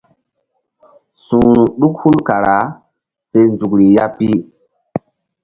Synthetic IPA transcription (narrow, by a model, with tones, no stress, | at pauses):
sũ˨nu˨ɗu˦khu˦lka˨ɾa˨˦ | se˦nd͡zu˨kɾi˨ja˦pi˦